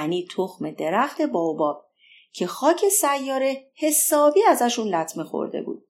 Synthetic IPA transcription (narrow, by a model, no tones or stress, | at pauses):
niːt̪ʰoxme̞d̪e̞ɾæxt̪ʰe̞bɒːobɒːb̥̚ | cʰe̞xɒːcʰe̞sæjːɒːɾe̞he̞sɒːbiːæzæʃunlæt̪ʰmexo̰ɾd̪e̞̰bṵːd̪̥̚